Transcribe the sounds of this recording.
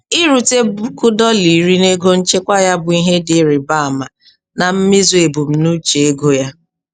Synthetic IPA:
ɪ˦ɾu˨te˦bkʊ˦dɔ˦li˨ɾi˦ne˦ɡo˦n̩˦t͡ʃe˦kʷa˦ja˦bʊ˨i˦ɦe˦dɪ˨˦ɾɪ˨ba˦a˨ma˨ | na˨m̩˦mi˦zʊ˨e˨bu˨m̩˨nu˦t͡ʃe˨e˦ɡo˦ja˦

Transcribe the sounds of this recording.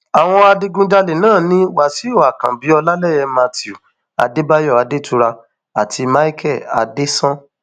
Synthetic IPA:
a˨w̃ɔ̃˧a˧di˧ɡũ˧d͡ʒa˧le˨nãː˦˨nĩ˦wa˦˨si˨˦o˦˨a˨kã˨bi˨˦ɔ˧la˦lɛ˦˨jɛ˧mã˧ti˨u˨ | a̰˧de˦ba˦jɔ˦˨a˨de˦tu˧˦ɾa˧ | a˨tʰi˧ma˦i˦kʰɛ˦˨a̰˨˧de˦sã˦

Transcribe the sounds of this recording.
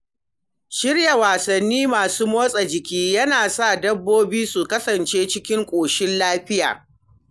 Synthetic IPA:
ʃɪ˦ɽja˨waː˨sɐ˨nːiː˦maː˨suː˦moː˦sʼɐ˨d͡ʒɪ˨kʲiː˦jɐ˦naː˨sa˦˨dɐ˦bːoː˦biː˦su˨kɐ˦sɐ˨nt͡ʃeː˦t͡ʃɪ˦kʲɪ˦ŋkʷʼoː˨ʃɪ˦nlaː˦ɸɪ˦ja̰ː˨

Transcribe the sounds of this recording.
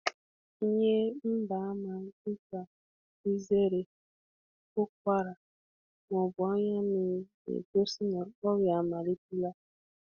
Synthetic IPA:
i˦ɲe˦m̩˦ba˨a˦ma˨˦i˦ka˨ | i˦ze˦ɾe˨ | ko˦k̚ʷa˦ɾa˨ | mɔ˨bʊ˨a˦ɲa˦mi˨˦ | ḛ˨ko˦si˦na˨ɔ˦ɣja˨ma˨li˦ti˦la˦

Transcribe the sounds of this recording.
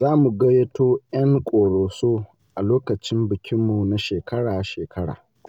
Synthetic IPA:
zaː˦mu˨ɡɐ˦je˦toː˦jɐ˦ŋkʷʼoː˨ɽoː˨soː˦ | ʔa˨loː˦kɐ˨t͡ʃɪ˦mbɪ˨kʲɪ˦mːu˨na˦ʃeː˨kʰɐ˦ɽaː˨˦ʃeː˨kʰɐ˦ɽa̰ː˨

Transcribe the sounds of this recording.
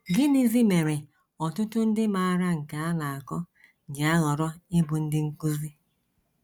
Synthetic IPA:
ɡɪ˦ni˦zi˦me˨ɾe˨ | ɔ˨tʊ˦tʊ˦n̩˦dɪ˦ma˨a˨ɾa˦ŋ̩˨ka˨a˦la˨a˨kɔ˦ | d͡ʒɪ˨a˦ɣɔ˨ɾɔ˦ɪ˦bʊ˨n̩˦dɪ˦ŋ̩˦ku˦zi˦

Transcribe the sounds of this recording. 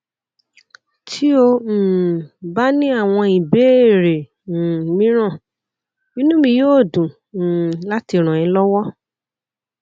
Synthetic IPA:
tʰi˦o˧˨ba˦nĩ˦a˦˨w̃ɔ̃˧i˨be˨˦e˦˨ɾe˨ | mĩ˨˦ɾ̃ã˦˨ | nĩ˦nũ˦mĩ˧joː˦˨dũ˨ | la˦ti˧ɾ̃ã˨ɛ̃˨˦lɔ˦wɔ˦

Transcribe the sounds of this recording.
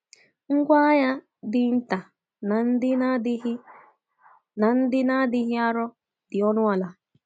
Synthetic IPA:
ŋ̩˦ɡʷa˦ja˦ | dɪ˨n̩˦ta˨ | n˨n̩˦dɪ˦n˦ɪ˦ | na˨n̩˦dɪ˦na˦dɪ˦ɦɪ˦a˦ɾɔ˦ | dɪ˨ɔ˦nʊ˦a˨la˨

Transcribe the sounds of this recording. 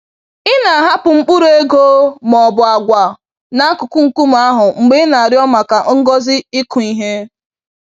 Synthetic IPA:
ɪ˦na˨ɦa˦pʊ˨ŋ͡m̩˦k͡pʊ˦ɾe˦ɡo˦mɔ˨bʊ˨a˨ɡʷa˨ | na˨a˦kʊ˨kʊ˦ŋ̩˨ku˦m̩˨˦a˦ɦʊ˨ŋ͡m̩˨ɡ͡be˦na˨a˨ɾɪ˦ɔ˦ma˨ka˨ŋ̩˦ɡɔ˦zɪ˦ɪ˦kʊ˨i˦ɦe˦

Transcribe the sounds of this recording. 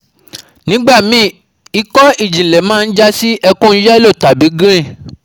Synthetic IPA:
nĩ˨˦ɡ͡ba˦˨mĩ˨˦ | i˧˦kɔ˦i˦˨d͡ʒĩ˨lɛ˨mãː˦˧n̩˦d͡ʒa˦si˦ʔɛ˧kũ˦n̩˦jɛ˦lo˦˨ta˨bi˨˦ɡɾĩ˦˨

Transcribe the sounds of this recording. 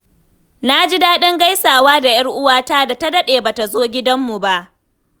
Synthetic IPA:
na˦d͡ʒi˦daː˦ɗɪ˦ŋɡa˦jsaː˨waː˦da˨jɐ˦rʔʊ˦waː˦ta˦da˨ta˦dɐ˦ɗeː˨baː˨ta˨zoː˦ɡʲɪ˦dɐ˦mːu˨ba˦ʔ

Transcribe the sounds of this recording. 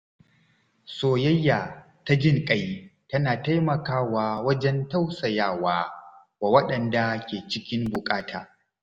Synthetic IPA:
soː˨jɐ˦jːaː˨ | ta˦d͡ʒɪ˦˨ŋkʼɐ˦jtɐ˦naː˨ta˦jmɐ˨kaː˦waː˦wɐ˦d͡ʒɛ˦nta˦wsɐ˨jaː˦˨waː˦ | baː˨wɐ˦ɗɐ˨nda˨kʲeː˨t͡ʃɪ˦kʲɪ˦mbʊ˨kʼaː˦tʰaː˨

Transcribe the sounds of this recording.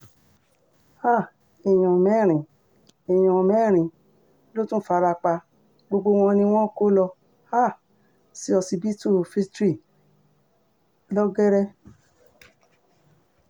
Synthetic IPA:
a˦˨ | e˨j̃ɔ̃˨mɛ̃˨˦˨ɾ̃ĩ˨ | e˨j̃ɔ̃˨mɛ˨˦˨ɾ̃ĩ˨ | lo˦tũ˦fa˦˧ɾa˧k͡pa˧ | ɡ͡bo˧ɡ͡bo˧w̃ɔ̃˧nĩ˧w̃ɔ̃˦ko˦lɔ˧ | a˦˨ | si˧˦ɔ˧si˧bi˦tu˦˨fi˦stɾi˦˨ | lɔ˦ɡɛ˦ɾɛ˦

